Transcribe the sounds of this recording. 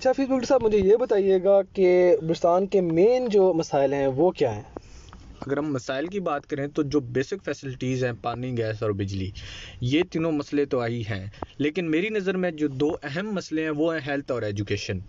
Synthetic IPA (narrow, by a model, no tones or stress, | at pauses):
ɐtːʃʰafiːsbʊkʈsaːbmʊd͡ʒʱejebɐt̪aːieːɡaːkebʊɾɪst̪aːnkemeːnd͡ʒoːmɐsaːɪlɦɛ̃ʋoːkjaːɦɛ̃ː | ɐɡəɾɦɐmːɐsaːɪlk̬ibaːt̪kɐɾẽt̪od͡ʒoːbeːsɪkfʰɛːsɪlɪʈiːzɦɛ̃ːpaːnĩɡɛːsɔːɾbɪd͡ʒlḭːjeːt̪ɪnõmɐslẽt̪oaːiɦɛ̰̃ːleːkɪnmeːɾinɐzəɾmẽd͡ʒoːd̪oːʔɛɦɛmːɐsleɦɛ̃ʋoːɦɛ̃ɦɛːlt̪ʰɔːɾeːd͡ʒukeːʃən